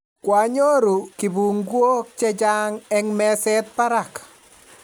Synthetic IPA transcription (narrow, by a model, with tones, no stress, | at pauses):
kwa˨ɲo˦ɾu˨ki˨bu˨ŋɡwo˦k̚t͡ʃɛ˦d͡ʒa˦ŋɛŋmɛ˦sɛ˦t̪̚pa˦ɾa˨k